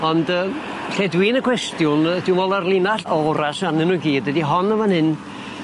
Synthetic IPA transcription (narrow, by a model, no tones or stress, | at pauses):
ɔndəːmɬedwiːnəkʰw̥ɛstjʊnədɪwmɔlˠarlˠinaɬɔɔɾasanɨnuɡiːdwədiɦɔnəvanhɨn